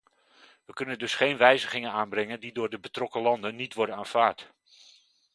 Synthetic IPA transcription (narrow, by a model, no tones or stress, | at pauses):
ʋəkɵnəndɵsχejnʋɛjzəχɪŋənaːnbrɛŋəndidʊːɹdəbətrɔkəlɑndənːitʋɔɹdənaːnv̥aːɹt